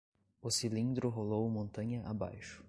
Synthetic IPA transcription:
ʊsilĩnd̪ɾʊɦolowmõnt̪ɐ̃ɲɐʔaba̰jʃʊ̥

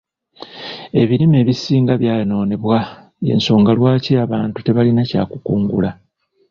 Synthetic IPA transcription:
e̞βiɾime̞ːβisiːŋɡaβjaːno̞ːne̞βwa | je̞̰nso̞ːŋɡalwaːciaβaːntute̞βalinaca̰ːkukuːŋɡula

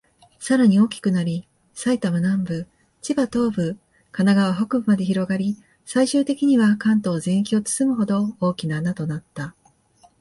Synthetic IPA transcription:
saɾaɲ̟io̞ːkʲi̥kɯ̟naɾʲi | sait̪amanãmbɯ̟ | t͡ɕibat̪o̞ːbɯ̟ | kanaɡaβaɦo̞kɯ̟bɯ̟mad̪e̞çiɾo̞ɡaɾʲi | saiɕɨːt̪e̞kʲiɲ̟iβakãnt̪o̞ːzẽ̞ɰ̃kʲio̞t͡sɨ̥sɨmɯ̟ɦo̞d̪o̞oːkʲinaːnat̪o̞nat̪ːa

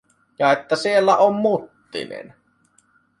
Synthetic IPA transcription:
jɑet̪ːæsielːæʔommut̪ːḭnḛn

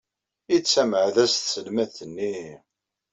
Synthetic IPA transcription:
it͡sːæməʕðæst̪səlmæðθənːi

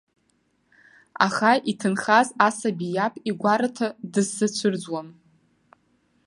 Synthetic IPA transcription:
a̰χaʔitʰɨnχazasabijapʼiɡʷaɾatʰadɨzsɨt͡ɕʷʰɨrd͡zwam

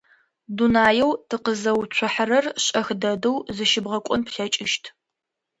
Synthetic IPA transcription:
dunaːjɛwtʰɨqəzɐwt͡ɕʷʰʊħaɾɐrɕʼɐxdɐdɨwzɨʃɪbʁɐkʷʼʊnpɬɐt͡ʃʼɪʃtʰ

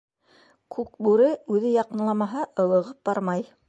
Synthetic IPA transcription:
kʰʉk̚bʉɾɘʉðɘjɑqɤ̆nlˠɑmɑɦɑʔɤ̆lˠɤ̆ʁɤp̚bɑɾmɑj

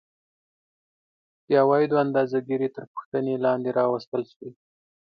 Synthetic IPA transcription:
p̪jɑwɑjd̪oand̪ɑzaɡiɾet̪əɾpə̥xt̪ənelɑnd̪eɾɑwəst̪əlʃwi

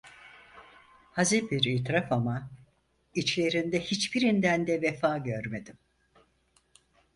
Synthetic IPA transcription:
haziɾbiɾiːt̪ɾafama | it͡ʃlʲe̞ɾind̪ɛhit͡ʃbiɾind̪ænd̪ɛvefaːɟøɾme̞d̪im

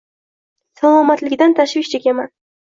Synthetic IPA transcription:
salˠamat̪lɪɡʲd̪ant̪ʰaʃvɪʃd͡ʒekʲeman

